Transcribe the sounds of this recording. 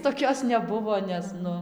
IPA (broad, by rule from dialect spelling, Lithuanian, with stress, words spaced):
toːˈkʲoːs nʲɛˈbʊʋoː ˈnʲɛs ˈnʊ